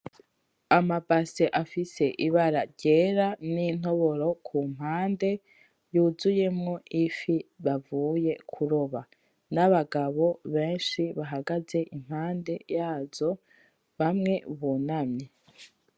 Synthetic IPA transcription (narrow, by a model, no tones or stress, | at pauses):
amabaseʔafise̞ʔiβaɾaɾɟe̞ːɾanin̥o̞βo̞ɾo̞kʰum̥haːnde̞ | juːzuje̞mŋo̞ʔifiβavuːje̞kʰuɾo̞βa | naβaɡaβo̞βeːnʃiβaɦaɡaze̞ʔim̥haːnde̞jaːz̥o̞ | βamŋe̞βunamɲe